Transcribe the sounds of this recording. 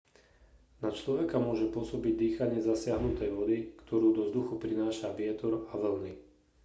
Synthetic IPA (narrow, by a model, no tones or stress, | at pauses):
nat͡ʃlɔʋɛkamʊɔʒɛpʊɔsɔbiɟ̚d̪iːxaɲɪɛzasɪaɦnut̪ɛjʋɔd̪ikt̪ʰɔɾuːd̪ɔzd̪uxupɾinaːʃaʋɪɛt̪ɔɾaʋl̩ni